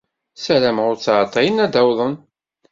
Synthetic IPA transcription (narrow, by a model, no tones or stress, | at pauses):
sælæmʁʊɾt͡sːʕt̪ˤːɑjənæd̪æwðˤən